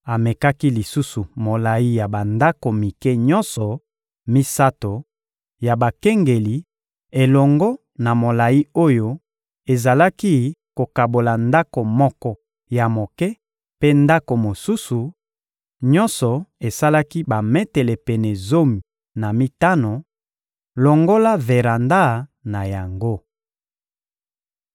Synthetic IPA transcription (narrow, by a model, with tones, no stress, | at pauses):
a˨me˨ka˦ki˦li˨su˦su˨mo˨la˨ji˦ja˨ba˨nda˦ko˨mi˨kɛ˦ɲɔ̃˦nsɔ˨ | mi˦sa˦to˨ | ja˨ba˨kɛ˦ŋɡe˨li˨ | e˨lɔ˨ŋɡɔ˦ | na˨mo˨la˨i˦o˦jo˦ | e˨za˨la˦ki˦ko˨ka˨bo˨la˨nda˦ko˨mɔ˦kɔ˦ | ja˨mo˨kɛ˦ | pe˦nda˦ko˨mo˨su˦su˨ | ɲɔ˦nsɔ˨e˨sa˦la˦ki˦ba˨mɛ˦tɛ˨lɛ˨pɛ˨nɛ˨zo˦mi˨ | na˨mi˦ta˦no˨ | lɔ˨ŋɡo˦la˦ve˨ɾa˨nda˦˨na˨ja˨ŋɡo˦